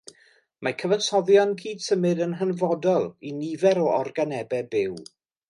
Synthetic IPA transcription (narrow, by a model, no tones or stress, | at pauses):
makʰəvənsɔðjɔnkʰiːd̥səmɨdənɦənvɔdɔlˠinivɛɾɔɔrɡanɛbɛbɪw